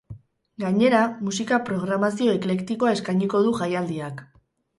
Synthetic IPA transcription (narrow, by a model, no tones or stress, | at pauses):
ɡaɲe̞ɾamusikapɾo̞ɣ̞ɾamasio̞e̞kle̞kt̪ikoae̞skajɲiko̞ðuʝajald̪iak